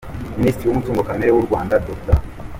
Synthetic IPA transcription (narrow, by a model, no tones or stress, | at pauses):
miniːstɾiwumutuːŋɡokaneɾewuɾɡwaːndadokta̰